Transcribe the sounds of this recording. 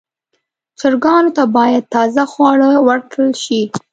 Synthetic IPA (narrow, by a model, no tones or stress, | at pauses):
t͡ʃəɾɡɑnot̪abɑjad̪̚t̪ːɑzaxwɑɽəwəɾkəlʃi